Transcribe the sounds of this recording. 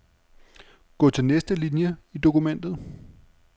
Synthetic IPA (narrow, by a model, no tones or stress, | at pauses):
ɡ̥ɔ̰ːt͡sʰe̝lnesd̥əlinjəid̥o̝kumen̰d̥ð̩ˠ